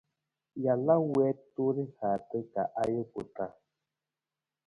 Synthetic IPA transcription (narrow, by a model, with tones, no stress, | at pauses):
ja˨la˦wɛ˨˦tu˦ɾi˦ha˨te˦ka˨ʔa˦jo˦ku˨ta˨